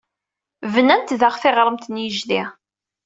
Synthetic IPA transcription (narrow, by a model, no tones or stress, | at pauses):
vənænt̪ðaʁθeʁɾˤəmt̪ənjəʒði